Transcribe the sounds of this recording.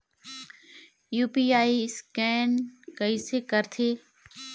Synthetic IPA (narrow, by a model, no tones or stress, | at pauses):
juːpiːaːiskɛːnkəisekəɾt̪ʰeː